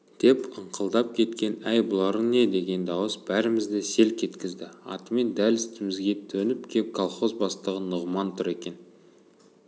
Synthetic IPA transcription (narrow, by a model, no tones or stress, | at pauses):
d̪̥e̞pəɴqʰəlˠd̪ɑp̚kʲʰe̞t̪kʲe̞næjbʊlˠɑɾəne̞d̪e̞ɡʲe̞nd̪ɑwəsb̥æɾɪmɪzd̪e̞se̞lkʲʰe̞t̪kʲɪzd̪ɪɑ̰t̪əme̞nd̪ælɪst̪ɪmɪzɡʲe̞t̪ʰɵnɪp̚kʲʰep̚kʰolˠχo̞zbɑst̪əʁənʊʁmɑnt̪ʰʊɾe̞kʲe̞n